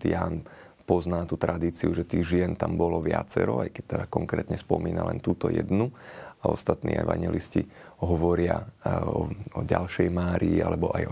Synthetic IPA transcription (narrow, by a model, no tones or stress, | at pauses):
jaːn | pɔznaːt̪ut̪ɾad̪iːt͡siuʒɛt̪iːɣʒɪɛnt̪ambɔlɔʋɪa̰t͡sɛɾɔajkɛc̚t̪ɛd̪akɔŋkɾɛːt̪ɲɛspɔmiːnalɛnt̪uːt̪ɔjɛd̪nuaɔ̰st̪at̪nḭːʔɛʋaɲɛlisciɦɔʋɔɾɪaɔɔɟalʃɛjmaːɾiiʔalɛbɔʔaj